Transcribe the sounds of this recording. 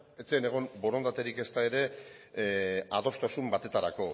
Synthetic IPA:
et͡seene̞ɣ̞o̞mbo̞ɾo̞nd̪at̪eɾike̞st̪ae̞ɾe̞ | aðo̞st̪asumbat̪e̞t̪aɾako̞

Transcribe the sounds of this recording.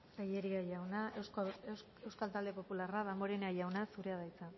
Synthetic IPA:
ɡajeɾiajawnaese | ewskalt̪ald̪e̞po̞pularaðamoɾenajawnasuɾeaðajt͡sa

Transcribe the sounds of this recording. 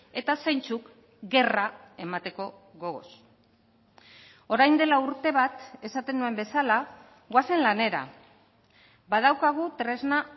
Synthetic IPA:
e̞t̪asejnt͡suk | ɡe̞rae̞mat̪e̞ko̞ | ɣo̞ɣo̞̰s | o̞ɾajnd̪e̞lauɾt̪e̞β̞at̪e̞sat̪e̞nue̞mbe̞sala | ɣwase̞nlane̞ɾa̰ | bað̞awkaɣ̞ut̪ɾe̞zna

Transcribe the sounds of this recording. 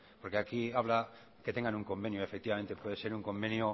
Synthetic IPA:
poɾkeakiaβ̞la | ket̪eŋɡanuŋkõ̞mbenjoefek̚t̪iβament̪epweðeseɾuŋkõ̞mbẽnjo

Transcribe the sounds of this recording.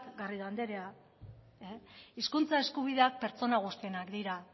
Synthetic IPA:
kɡariðand̪e̞ɾea | eiskunt͡sae̞skuβ̞iðe̞ak̚pe̞ɾt͡so̞naɣ̞ust̪ienakd̪iɾa

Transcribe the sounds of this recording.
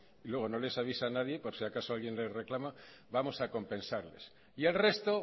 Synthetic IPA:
ilwe̞ɣ̞o̞nole̞saβ̞isanað̞je̞poɾsiakasoalɣjenle̞sreklama | βamo̞sako̞mpẽ̞nsaɾle̞̰s | ielre̞st̪o

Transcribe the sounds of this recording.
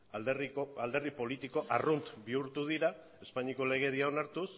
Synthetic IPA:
ald̪e̞ripo̞lit̪iko̞ʔarunt̪biuɾt̪uð̞iɾa | e̞spaɲiko̞le̞ɣ̞e̞ðiao̞naɾt̪us

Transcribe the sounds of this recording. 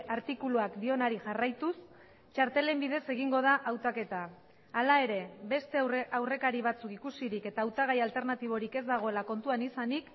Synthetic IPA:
aɾt̪ikuluakd̪io̞naɾiʝarajt̪us | t͡ʃaɾt̪e̞le̞mbiðe̞se̞ɣ̞iŋɡo̞ð̞aʔawt̪ake̞t̪aː | lae̞ɾe̞be̞st̪e̞awre̞kaɾiβ̞at͡sukikusiɾike̞t̪aːwt̪aɣ̞ajalt̪e̞ɾnat̪iβ̞o̞ɾike̞zd̪aɣ̞o̞e̞lako̞nt̪uanisanik

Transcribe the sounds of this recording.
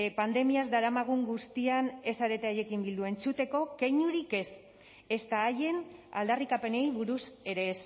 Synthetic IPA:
pand̪e̞miazd̪aɾamaɣ̞uŋɡust̪iane̞saɾe̞t̪eaje̞kimbild̪ue̞nt͡sut̪e̞ko̞kejɲuɾike̞s | e̞st̪aːje̞na̰ld̪arikape̞ne̞jβuɾuse̞ɾe̞s

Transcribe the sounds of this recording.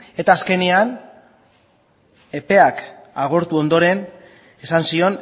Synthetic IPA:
e̞t̪aːske̞nean | e̞pe̞akaɣ̞o̞ɾt̪uo̞nd̪o̞ɾe̞n | e̞sansio̞n

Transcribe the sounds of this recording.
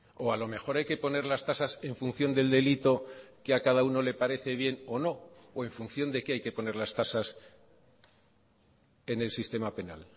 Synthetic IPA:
o̞alo̞me̞xo̞ɾajke̞po̞ne̞ɾlast̪asase̞ɱfun̟θjo̞nd̪e̞ld̪e̞lit̪o̞keakaðauno̞le̞paɾe̞θe̞β̞je̞no̞no̞ːe̞ɱfunθjo̞nd̪e̞keajke̞po̞ne̞ɾlast̪asas | e̞ne̞lsist̪e̞mape̞na̰l

